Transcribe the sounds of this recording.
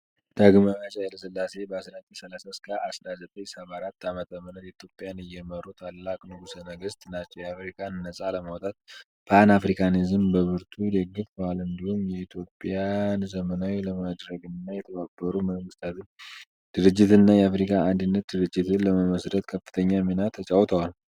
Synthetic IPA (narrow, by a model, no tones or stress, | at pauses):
d̪̥aɡmajat͡ʃʼajɛləsɨlːase̞bəasɾat̪ʼisəlasaskʰʼaʔasɾazət̪ʼəɲsəβaɾat̪ːamət̪ʰəmːənət̪ɛit̪ʰjo̞pʼjanɨjɛməɾut̪ʰalːakʼnɨɡusənəɡəst̪ʰʼɨnat͡ʃːɛwjɛafɾikʼʰannəsʼaləmawt̪ʼat̪̚ | pʰanafɾikʰanizɨmbəβɨɾt̪ʰud̪eɡɨfbalɨnd̪ihumjɛit̪ʰjo̞pʼjanzəmənawiləmad̪ɾəɡɨnːajɛt̪ʰəβabːəɾuməŋɡɨst̪ʰat̪ʰɨɲ | d̪̥ɨɾɨd͡ʒːɪt̪ɨnːajɛafɾikʰaand̪ɨnːət̪̚d̪ɨɾɨd͡ʒːɪt̪ʰɨnləməməsɾət̪kʰəfːɨ̥t̪ʰəɲːaminat̪ʰːət͡ʃʼawt̪ʰəwal